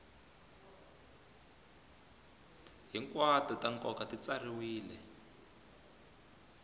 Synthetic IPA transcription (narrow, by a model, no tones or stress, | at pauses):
ɦiŋkwatɔtaŋkɔkatit͡sariwiːlɛ